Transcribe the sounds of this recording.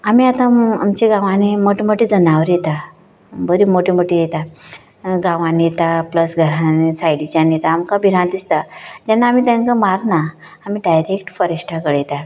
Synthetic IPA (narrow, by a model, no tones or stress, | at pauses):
amiat̪ãamt͡ɕeɡãʋãnimoʈemoʈid͡zənaʋəɾjet̪a | bəɾimoʈimoʈijet̪a | ɡãʋãnijet̪apləsɡʱəɾãnisajɽit͡ɕanijet̪aːmkabʱiɾãnd̪ist̪ad͡ʑanːaːmiːt̪jãnkamaɾnaː | miːɖajɾekʈfəɾeɕʈʰakəɽjet̪a